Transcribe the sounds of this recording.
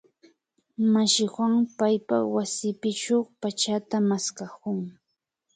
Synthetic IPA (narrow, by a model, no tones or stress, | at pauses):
maʃɪxwaŋpajpa̰wasɪpɪʈ͡ʂowpat͡ʃat̪amaskakʊŋ